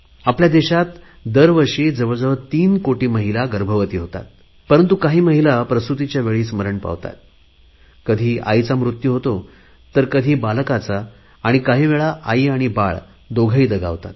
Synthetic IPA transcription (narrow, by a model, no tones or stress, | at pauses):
apljad̪eɕat̪ | d̪əɾʋəɾʂiːd͡zəʋəd͡zəʋət̪iːnkoʈiːməɦilaɡəɾbʱəʋət̪iːɦot̪a̰t̪̚ | pəɾənt̪ukaɦiːməɦilapɾəst̪ɾut̪it͡ɕjaʋeɭiːsməɾəɳpa̰ʋt̪a̰t̪̚ | kəd̪ʱiːa̰jt͡samɾut̪juɦot̪o | t̪əɾkəd̪ʱiːbalkat͡saː | ɽ̃ikaɦiːʋeɭaʔaiaɽ̃ibaɭ | d̪oɡʱəiːd̪əɡʱa̰ʋt̪a̰t̪